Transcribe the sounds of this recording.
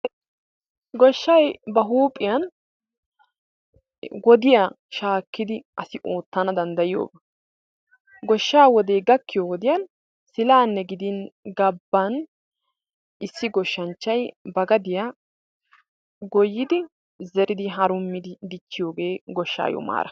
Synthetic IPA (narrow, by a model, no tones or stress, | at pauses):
ɡɔʃːɐjbɐɦuːpʼːɪjɐn | ɡɔd̪ɪja | ʃaːkːɪd̪ɪʔɐsɪʔoːt̪ːɐnɐd̪ɐnd̪ɐjɪjo̰ːbɐ | ɡɔʃːaːwɔd̪eːɡɐkːɪjoːwɔd̪ɪjɐn | sɪlaːnːɛɡɪd̪ɪnɡɐbːɐn | ɪsːɪɡɔʃːɐnt͡ʃːɐjbɐɡɐd̪ɪja | ɡɔjːɪd̪ɪ | zɛɾɪd̪ɪɦɐɾʊmːɪd̪d̪ɪt͡ʃːɪjo̞ːɡe̞ːɡɔʃːa̰ːjɔ̰ma̰ːɾʔɐ